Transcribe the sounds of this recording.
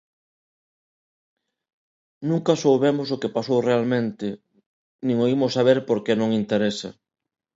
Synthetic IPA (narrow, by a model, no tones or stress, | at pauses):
nũŋkɐsowβemʊsokepasowrealmẽnt̪ɪ | nĩŋoimʊsːaβ̞eɾpoɾkenõŋint̪eɾesɐ̰